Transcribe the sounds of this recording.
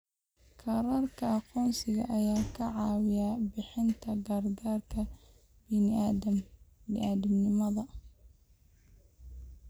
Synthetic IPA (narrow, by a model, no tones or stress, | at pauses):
kʰɑɾaːrkʰɐɑqɔːnsɪɣɐ̰ʔɐjaːkʰɐʕɑːwɪjabɪħɪnt̪ʰɐɡɐrɡaːrkʰɐ | bɪnɪamnɪʔaːðɐmnɪmɐðɐ